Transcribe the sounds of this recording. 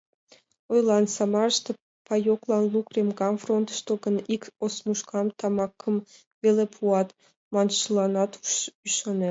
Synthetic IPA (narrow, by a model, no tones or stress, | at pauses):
ojlɑnsɑmɑrʃt̪e | pɑjoklɑnlukremɡɑmfront̪ʃt̪oɡənikosmuʃkɑmt̪ɑmɑkʰːəm | βelepʰuɑt̪ | mɑnʃəlɑnɑt̪yʃɑne